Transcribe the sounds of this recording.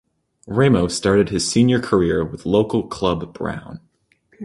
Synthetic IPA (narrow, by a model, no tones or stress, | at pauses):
ɹẽɪmoʊstɑɹɾɨd̚ɨz̥sĩnjə˞kʰə˞ɪɹwəðloʊkl̩ˠkʰl̥ʌbb̥ɹã̰ʊ̃n